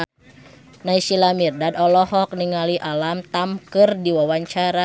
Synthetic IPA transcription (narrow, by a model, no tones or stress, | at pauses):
naisilamirdadɔlɔhɔk̚niŋaliʔalamt̪amkɨrdiwawaɲt͡ʃaɾa